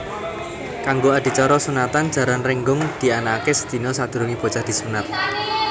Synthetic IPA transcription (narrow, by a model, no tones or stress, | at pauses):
kaŋɡoad̪̥i̤t͡ʃɔɾɔsunat̪an̥ʒ̥a̤ɾanrɛŋɡʊŋd̪̥i̤anakesə̥d̪̥i̤nɔsad̪̥ɾuŋib̥o̤dt͡ʃahd̪̥i̤sunat̪̚